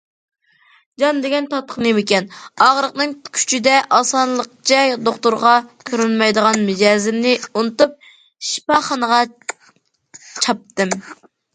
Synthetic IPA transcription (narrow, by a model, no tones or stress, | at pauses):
d͡ʒɑnd̪eɡʲɛnt̪ʰɑt̪ːə̥χnemɪkʲɛnɑʁəɾəqnɨŋkʲʰy̥t͡ʃʰid̪ɛʔɑsɑnlˠəq̚t͡ʃʰɛd̪oχt̪uɾʁɑkʲʰøɾynmɑjd̪əʁɑnmed͡ʒɑːzɪmnɪunɨt̪up̚ | ʃi̥pɑχɑnəʁɑ | t͡ʃʰɑp̚t̪ɨm